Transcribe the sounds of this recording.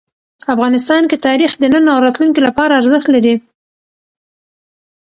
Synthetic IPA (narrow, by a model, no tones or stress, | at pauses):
afɣɑnɪs̬t̪ɑnket̪ɑɾixd̪ənənawɾɑt̪lunkilapɑɾaːɾzəxt̪laɾi